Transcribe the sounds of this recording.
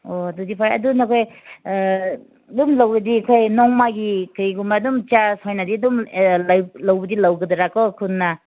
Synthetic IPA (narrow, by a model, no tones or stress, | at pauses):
odudipʰaɾɐ̰dunɐkʰoj | dumlawɡɐdikʰojnɔŋmaɡikɯiɡumadumt͡ʃasojnɐdidumllawbɐdilɐwɡɐdɐɾakɔkʰunːɐ